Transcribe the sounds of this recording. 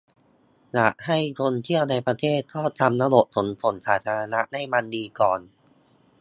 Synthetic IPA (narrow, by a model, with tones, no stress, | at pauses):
la̰˨˩ʔha˥˩jkʰo˧nt̪ʰi˥˩əwna˧jpɾa˧t̪ʰeː˥˩t̪̚kʰɔː˥˩t͡ɕʰa˧mna˦˥lo˨˩ʔ̚t̪ʰo˩˦npʰo˩˦nsaː˩˦t̪ʰaː˧a˧na˦˥ʔda˥˩jma˧ndiː˧kɔː˨˩n